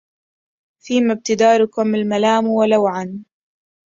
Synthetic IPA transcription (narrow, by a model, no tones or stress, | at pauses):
fiːmab̚t̪ɪd̪aːɾʊkʊmalmalaːmwalawʕan